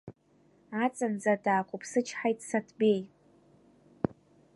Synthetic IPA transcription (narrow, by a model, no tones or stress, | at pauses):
at͡sʼand͡zadaːkʷʰʼupʰsɨt͡ʃʰħajtʼsatʰbe̞j